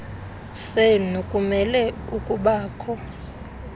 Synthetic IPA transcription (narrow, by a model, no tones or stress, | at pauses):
senokʼumɛlɛukʼuɓaːkʰɔ